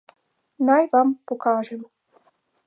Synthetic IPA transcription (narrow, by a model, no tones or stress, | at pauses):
nɑjvɑmpokɑːʒem